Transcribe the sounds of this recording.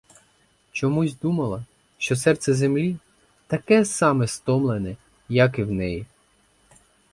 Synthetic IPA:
t͡ʃɔmuzʲd̪umɐlˠɐ | ʃt͡ʃɔsɛrt̪sɛzemlʲi | t̪ɐkɛsɑmɛst̪ɔmlˠenɛ | jɐkɪwnɛji

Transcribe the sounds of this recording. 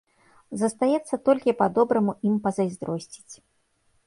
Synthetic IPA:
zɐst̪ajɛt̪sːɐt̪ɔlʲkʲipad̪ɔbɾɐmuʔimpɐzɐjzd̪ɾɔsʲt͡sʲi̥t͡sʲ

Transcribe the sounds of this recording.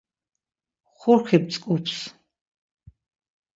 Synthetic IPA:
χʊrχip̚t͡sʼkʼupʰs

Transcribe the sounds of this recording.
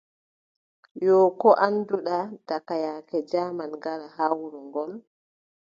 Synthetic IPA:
jɔkɔʔanduɗadakajaːkɛd͡ʒaːmanŋɡaɾaɦawɾuŋɡɔl

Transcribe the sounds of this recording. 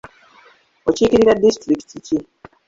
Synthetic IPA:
ociːkiɾiɾadːistɾiki̥tici

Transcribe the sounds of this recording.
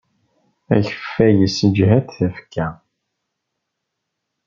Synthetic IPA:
æ̰çə̥fːæjəsəd͡ʒɦæθθæfkʰːæ

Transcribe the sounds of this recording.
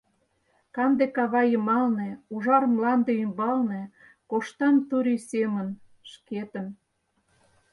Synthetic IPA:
kɑnd̪ekɑβɑjəmɑlnĕuʒɑrmlɑnd̪eymbɑlnĕ | koʃt̪ɑnt̪uɾʲisemən | ʃket̪ə̆m

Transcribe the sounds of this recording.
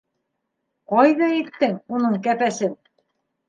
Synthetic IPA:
qɑjðɑit̪ːɘŋunɤɴkæpæsɘn

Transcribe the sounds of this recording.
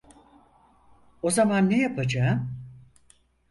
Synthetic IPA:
o̞zamanːejapʰad͡ʒaːm

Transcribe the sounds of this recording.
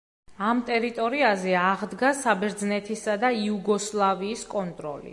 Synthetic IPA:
amt̪ʼɛɾit̪ʼɔɾiazɛaʁd̪ɡasabɛɾd̪znɛt̪ʰisad̪aiuɡɔslˠaviːskʼɔnt̪ʼɾɔ̰lḭ

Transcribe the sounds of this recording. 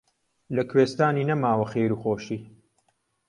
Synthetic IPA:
lɐkʰweːst̪aːniːnɐmaːwɐxeːɾuːxoːʃiː

